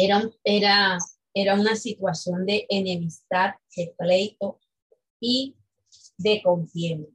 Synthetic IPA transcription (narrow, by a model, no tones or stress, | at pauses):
eɾaeɾa | e̞ɾaunasit̪wasjo̞nd̪e̞ʔenẽmist̪at̪̚heple̞jt̪o | i | ðe̞ko̞mfjeno